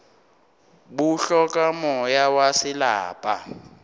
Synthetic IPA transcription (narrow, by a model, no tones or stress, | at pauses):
buɬɔkʼamɔjawasɪla̰ːpʼa̰